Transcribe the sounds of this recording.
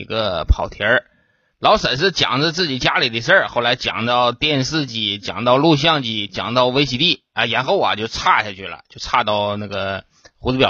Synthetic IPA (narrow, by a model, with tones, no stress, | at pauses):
ḭ˧˥ɡə˧pʰɑ˨˩ʊt̪ʰjə˧˥ | lɑ˧˥ʊʂə˨˩nʂ̬ɻ̩˥˩t͡ɕjɑ̰˨˩ŋd͡zə˧t͡sɹ̩˥˩t͡ɕi˨˩t͡ɕja˥li˨˩d̪ə˧˥ʂə˥˩xo˥˩la˧˥ɪt͡ɕjɑ̰˨˩ŋt̪ɑ˥˧ʊt̪jɛ˥˧nʂɹ̩˥˧t͡ɕi˧˥˩t͡ɕjɑ̰˨˩ŋt̪ɑ˥˧ʊlu˥˧ɕ̬jɑ˥˧ŋt͡ɕi˥˩t͡ɕjɑ̰˨˩ŋt̪ɑ˥˧ʊwe˥ɪɕi˧˥t̪i˥˩ | ə˧jɛ˧˥nxo˥˩ʊɐ̰˨˩t͡ɕjo˥˧ʊʈ͡ʂʰa˥˧ɕja˥˧t͡ɕʰy˥˩lə̰˩t͡ɕjo˥˧ʊʈ͡ʂʰa˥˧t̪ɑ˥˧ʊna˥˩ɡə˩ | xu˧˥t͡sɹ̩˥pjɑ˨˩